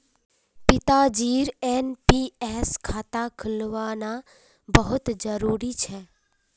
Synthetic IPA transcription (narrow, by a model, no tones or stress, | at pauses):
pɪt̪ad͡ʒiːɾɛːnpiːɛːskʰaːt̪akʰɪlʋaːna | bəɦʊt̪d͡ʒəɾuːɾit͡ʃʰɛː